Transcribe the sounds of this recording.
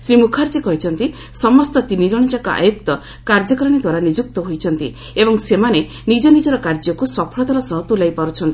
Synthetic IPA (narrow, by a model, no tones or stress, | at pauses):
sɾimukʰaɾd͡ʒekɔɦit͡ʃʰɔnt̪i | sɔmɔst̪ɔt̪iniɾɔɽ̃id͡ʒakɔa̰jukt̪ɔ | kaɾd͡ʒɔkɾɔɽ̃id̪waɾanid͡ʒuk̚t̪ɔɦojt͡ʃʰɔnt̪ḭ | ebɔŋsemane | nid͡ʒɔnid͡ʒɔɾɔkaɾd͡ʒɔkusɔpʰɔɭɔd̪ʱaɾɔsɔɦɔt̪ulajpaɾut͡ʃʰɔnt̪i